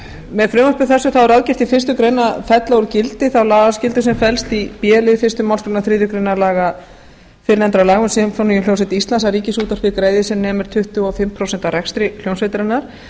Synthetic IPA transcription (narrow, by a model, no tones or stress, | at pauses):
mɛðfɾʏːmœpɪθɛsːʏθawɛɾaːðcɪɾ̥t̪ifɪrst̪ʏkɾejnafɛt̪laʏɾcɪlt̪ɪθawlaːɣascɪlt̪ʏsɛmfɛlst̪ipjɛːlɪfɪrst̪ʏmaw̪skɾejnaθɾɪːðʏkɾejnalaːɣa | fɪɾɪnɛnt̪ɾawlaːɣʏnsɪmfonijʏljoːwsɛt̪ist̪lansaɾiːcɪsuːt̪aɾ̥fɪkɾeːjðɪsɛmnɛːmɪɾ̥t̪ʰʏht̪ʏafɪmːpʰɾowsɛnt̪aɾɛkst̪ɾɪl̥jownsfejt̪ɾanːaɾ̥